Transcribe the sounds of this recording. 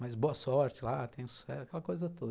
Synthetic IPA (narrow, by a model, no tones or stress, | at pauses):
majzboɐsɔɾt͡ʃɪlat̪ẽj̃ʊ̃su̥sɛsɐkɛlɐkojzɐt̪od̪ɐ